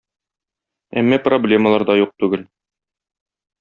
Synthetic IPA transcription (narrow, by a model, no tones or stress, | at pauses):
æ̰mːæproblʲe̞məlˠɑɾd̪ɑjuq̚t̪ʉɡɘl